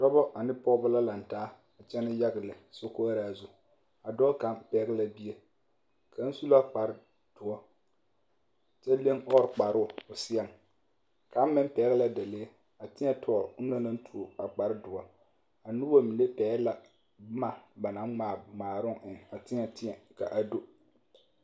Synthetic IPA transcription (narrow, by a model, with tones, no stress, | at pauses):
d̥ɔ˦bɔ˦ʔa˨nɪ˦pɔ˦ɣbʊ˦la˦la˨n˨taː˦ | a˨t͡ʃɛ˦nɪ˦ja˦ɣɪ˨lɪ˨so˦ko˦a˦ɾaː˦˨zʊ˦ | a˨dɔː˦ka˦mpɛ˨˦ɣɪ˦la˦bi˦e˦ | kʰa˨˦n˦su˦la˦k͡pa˨ɾɪ˦ | d̥ʊ˨ɔ˦ | t͡ʃɛ˦le˦ŋɔ˦ɾɪ˨k͡pa˨ɾʊ˦˨ʊ˨sɪ˦ɛ˦˨m | ka˦m̩˦mːɪ˦m˦pɛ˨˦ɣɪ˦la˦da˨le˦ | a˨tɪ˦ɲɛ˦tʰɔː˨ɾʊ˦no˦na˦n̩˦tʰu˨o˨a˨k͡pa˨ɾɪ˦dʊ˨ɔ˦ | a˨nu˦bo˦mi˨le˦pɛː˨˦la˦ | ma˨ba˨na˨˦ŋŋ͡maː˨ŋ͡maː˨ɾʊ˦ŋʔɪ˨ŋa˨tɪ˦ɲɛ˨tɪ˦ɛ˨ka̰˨ʔa˨do˦